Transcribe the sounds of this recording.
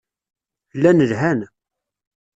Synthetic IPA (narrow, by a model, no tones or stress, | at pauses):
lːænəlɦæn